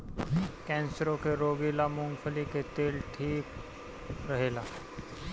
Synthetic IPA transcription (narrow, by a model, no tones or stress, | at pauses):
kɛ̃ːnsəɾõkeɾoːɡilamʊ̃ŋɡfʰəliket̪eːlʈʰiːk | ɾɐɦeːlaː